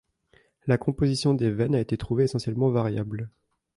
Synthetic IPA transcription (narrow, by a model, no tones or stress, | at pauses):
lakɔ̃pozisjɔ̃d̪evɛnaet̪et̪χuveːsɑ̃sjɛlmɑ̃vaʁjabl